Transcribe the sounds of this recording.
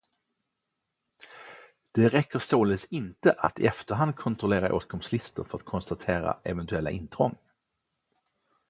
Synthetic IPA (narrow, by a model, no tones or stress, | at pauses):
d̪̥ɛɾɛkːəsoːlɛsɪnt̪əʔa̰t̪ɪɛft̪əɾɦand̪̚kʰɔnt̪ɾɔleːɾaʔo̰ːt̪̚ɡʰɔmslɪst̪ə̰ɾfœɾat̪̚kʰɔnst̪at̪ʰeːɾa̰ʔɛvɛnt̪ɵɛlːaʔɪnːt̪ʰɾɔŋː